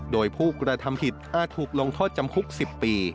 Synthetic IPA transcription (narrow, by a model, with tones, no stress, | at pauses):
doː˧jpʰuː˥˩kɾa˧t̪ʰa˧mpʰi˨˩t̪̚ʔaː˨˩t̪ʰːuː˨˩k̚lo˧ŋt̪ʰɔː˥˩t̪̚t͡ɕa˧mkʰu˦˥k̚si˨˩pːiː˧